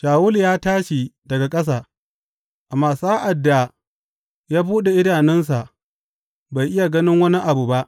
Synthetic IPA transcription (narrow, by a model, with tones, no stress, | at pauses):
ʃaː˨wʊ˦ljaː˦taː˦ʃi˨dɐ˨ɡa˨kʼɐ˦s̬aː˨ | ʔa˨mːaː˨saː˦ʔa˨dːa˨ | jaː˦buː˦ɗe˨ʔɪ˦daː˨nɪ˦ns̬a˨ | ba˨jʔɪ˦ja˨ɡɐ˦nɪ˦ŋwɐ˦ni˦ʔa˨bu˨ba˦ʔ